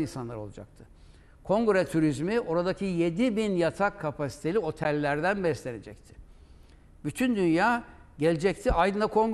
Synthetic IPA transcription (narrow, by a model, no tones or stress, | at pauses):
insanlˠaɾo̞lˠad͡ʒa̰kt̪ʰɯ̥ | kʰo̞ŋɡuɾɛt̪ʰuɾizmio̞ɾad̪acʰije̞d̪ibinjat̪ʰakʰːapʰasi̥t̪ʰelʲio̞t̪ʰɛlʲːæɾd̪ænbɛslʲe̞ne̞d͡ʒɛc̚t̪ʰɪ̥ | byt̪ʰynd̪ynjaː | ɟelʲed͡ʒɛc̚t̪ʰiajd̪ɯnd̪akʰo̞ŋɡ